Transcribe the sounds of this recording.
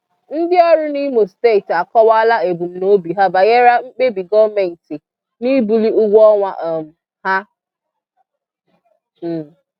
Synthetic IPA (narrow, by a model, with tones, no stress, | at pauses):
n̩˦dɪ˦ɔ˦ɾʊ˦ni˦mo˨ste˦˨ta˨kɔ˦wa˦la˦e˨bu˨m̩˨no˦bi˨ɦa˦ba˨je˦ɾa˦ŋ͡m̩˦k͡pe˦bi˨ɡɔ˦vme˨n̩˨ti˨ | ni˦bu˨li˦ʊ˦ɡʷɔ˦ŋʷa˨ʔɔ˨m̩˨ | ha˦˨